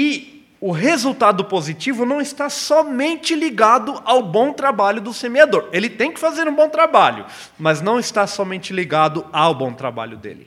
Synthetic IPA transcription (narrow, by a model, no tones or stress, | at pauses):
ɪ | ʊɦezuwt̪ad̪ʊpozit͡ʃivʊnɐ̃w̃ɪst̪asɔmẽnt͡ʃɪliɡad̪ʊʔawbõw̃t̪ɾabaʎʊd̪ʊsemiad̪oɾelɪt̪ẽj̃kɪ̥fazeɾũbõw̃t̪ɾabaʎʊ̰ | mɐznɐ̃w̃ɪst̪asɔmẽnt͡ʃɪliɡad̪ʊawbõt̪ɾa̰ba̰ʎʊd̪ḛlɪ̰